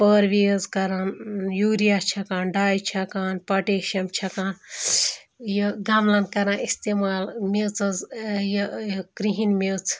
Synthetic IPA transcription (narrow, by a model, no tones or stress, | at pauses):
pəɾʋezkɐɾanjuːɾijat͡ʃʰɐkaːnɖaːjt͡ʃʰɐkaːnpɐʈeːʃɐmt͡ʃʰɐkaːn | jɐɡamlankɐɾaːnist̪emaːlmet͡sɐzjɐkɾiɦinmet͡sʰ